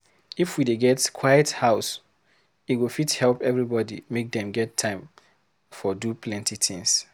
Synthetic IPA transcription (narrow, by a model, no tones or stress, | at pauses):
ifwideɡɛtkʰwajəthaʊs | itwifithɛlpɛvɹibɔdḭmek̚dɛ̃mɡɛtʰːãɪ̃m | fɔdupʰlɛ̃ntitĩŋs